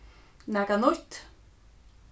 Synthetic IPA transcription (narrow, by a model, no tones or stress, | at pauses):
nakanʊt̪